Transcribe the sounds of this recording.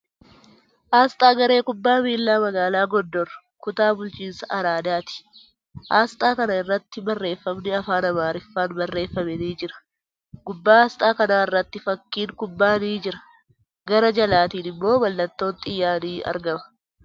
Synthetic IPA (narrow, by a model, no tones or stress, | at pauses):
ʔaːst̪ʼaːɡɐɾe̞ːkʊbːaːmiːlːaːmɐɡaːlaːɡɔd̪ːɔrɐ | kʊt̪aːbʊlt͡ʃiːnsɐʔɐɾaːd̪aːt̪ɪ̥ | ʔaːst̪ʼaːkɐnɐɪrːɐt̪ːɪbɐrːe̞ːfːɐmnɪɐfaːnɐmaːɾɪfːaːnbɐrːe̞ːfːɐmɛniːd͡ʒɪɾɐ̥ | ɡ̥ʊbːaːaːst̪ʼaːkɐnaːɪrːɐt̪ːɪfɐkːiːŋkʊbːaːniːd͡ʒɪɾɐ̥ | ɡɐɾɐd͡ʒɐlaːt̪iːnɪmːo̞ːbɐlːɐt̪ːo̞ːnt̪ʼɪjːaːniːɐ̰ɾɡɐmɐ̥